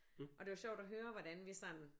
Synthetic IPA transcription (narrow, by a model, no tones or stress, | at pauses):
ʔɒ̽d̥e̝ʋɑɕɒʊ̰d̥ɒɦøːɐʋɒd̥ænʋisɒ̽nn̩